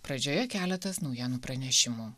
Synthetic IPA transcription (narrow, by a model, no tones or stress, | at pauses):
pɾɐd͡ʒʲoːjɛkʲæːlʲɛt̪ɐsnɒʊjiɛnupɾɐnʲɛʃʲɪmuː